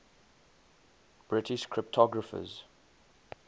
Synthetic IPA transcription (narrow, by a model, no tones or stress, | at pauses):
b̥ɹɪtʰɪʃkʰɹɪp̚tʰɔɡɹəfə̰z